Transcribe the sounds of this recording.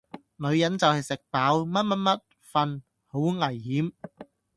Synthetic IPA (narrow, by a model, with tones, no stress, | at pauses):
lɵ˨˧ɥjɐ˨˥nt͡sɐ˨whɐ˨jsɪ˨k̚paː˨˥wmɐ˥t̚mɐ˥t̚mɐ˦˥t̚ | fɐ˨n | ho˨˥wŋɐ˨˩jhiː˨˥m